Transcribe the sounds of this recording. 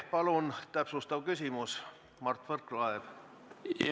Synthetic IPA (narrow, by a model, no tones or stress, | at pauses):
pɑlunt̪æpsust̪ɑvkysʲimus | mɑrt̪ːfɤrklɑev̥